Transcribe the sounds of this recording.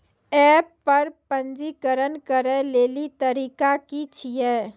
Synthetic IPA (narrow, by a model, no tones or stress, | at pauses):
ɛːpːəɾpə̃nd͡ʒikəɾənkəɾeleːlit̪əɾiːkakit͡ʃʰijɛː